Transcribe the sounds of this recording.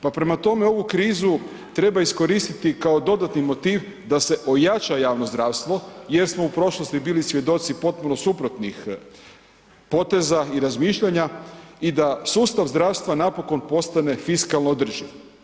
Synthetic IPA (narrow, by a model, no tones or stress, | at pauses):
papɾe̞mat̪o̞me̞o̞ʋukɾiːzu | t̪ɾe̞baisko̞ɾiːst̪it̪ikao̞d̪o̞d̪at̪nimo̞t̪iːʋ | d̪ase̞ʔo̞jat͡ʃajaːʋno̞zd̪ɾaːʋst̪ʋo̞je̞ɾsmo̞upɾo̞ʃlˠost̪ibiːlisʋʲje̞d̪o̞t̪sipo̞t̪̚punosupɾot̪nix | po̞t̪e̞zaiɾazmiːʃʎaɲaid̪asuːst̪aʋzd̪ɾaːʋst̪ʋanapo̞ko̞npo̞st̪ane̞fiskalˠnod̪r̩ʒiʋ